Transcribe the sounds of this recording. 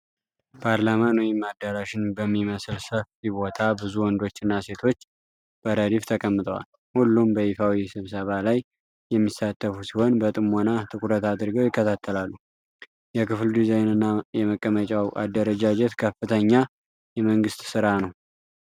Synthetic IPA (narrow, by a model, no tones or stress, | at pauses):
pʰaɾlamanwjimːad̪ːəɾaʃɪnbəmːiməsɨlsəfibo̞t̪ʰabɨzuwɔnd̪o̞t͡ʃːɨnːase̞t̪ʰo̞t͡ʃː | b̥əɾəd̪ift̪ʰəkʼəmːɨt̪ʼəwa̰l | hulːumbəifawisɨβsəβalaj | jɛmːisːat̪ʰːəfusiho̞nbət̪ʼɨmo̞nat̪ʰʼɨkʼuɾət̪ad̪ɨɾɡəwjɪkːət̪ʰat̪ʰːəlalːu | jɛkɨfld̪izejnɨnːajɛməkʼːəmət͡ʃʼawʔa̰d̪ːəɾəd͡ʒad͡ʒɛt̪kʰəfɨt̪ʰəɲːa | jɛməŋɡɨst̪sɨɾanəw